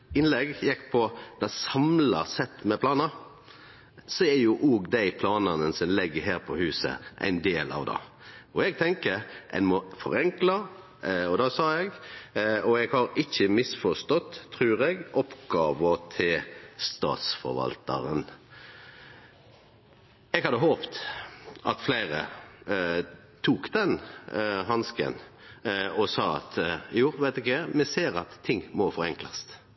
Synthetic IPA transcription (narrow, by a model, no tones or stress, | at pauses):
ɪnlɛɡjɛkːpʰɔd̪̥ɑsɑmlɑsɛt̪ːmɛpʰlɑːnɑ | sɔæɾjʊʔoːɡd̪æɪpʰlɑːnɑnəsɔmlɪɡːəɦæːɾpʰɔhʉːsə̰ʔæ̰ɪnd̪eːlɑ̰ʋd̪ɑ̰ | ɔɛɡt̪ʰɛŋkəɾʔɛ̰ɪnmɔfɔ̰ɾɛŋklə | ɔd̪ɑːsɑːɛɡ | ɔɛɡhɑɾɪçːəmɪsfɔst̪ɔt̪ʰːɾʉːɾɛɡɔpɡ̥ɑːʋət̪ʰɪlst̪ɑ̰ːt̪sfɔ̰ɾʋɑ̰lt̪ə̰ɾən | ɛɡhɑd̪ːəɦoːpt̪ | ɑt̪flæɪʁə̰ | t̪ʰuːkd̪ɛnɦɑnskə̰n | ɔsɑːɑ̰t̪juːʋæɪt̪ɪkəmɛseːɾɑt̪ʰːɪŋːmɔfɔɾɛŋklɑst̪